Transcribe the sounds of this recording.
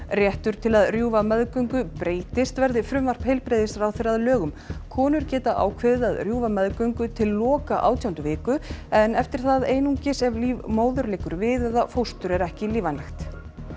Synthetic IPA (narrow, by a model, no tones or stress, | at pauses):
rjɛht̪ʏɾ̥t̪ʰɪlaðrjuːvamɛðkœŋkʏpɾeːjt̪ɪst̪vɛɾðɪfɾʏmvar̥phejlpɾeːjðɪsɾawθeɾaðlœːɣʏm | kʰɔːnʏɾ̥cɛːt̪aʔa̰ːwkʰvɛːðɪaðrjuːvamɛðkœŋkʏt̪ʰɪlːɔːkaʔa̰wt̪ʰjawnt̪ʏvɪːkʏɛnɛft̪ɪɾ̥θaðejnuŋcɪsɛvliːvmoːwðʏɾlɪːkʏɾvɪðɛðafowst̪ʏɾɛɾɛhcɪliːvanlaxt̪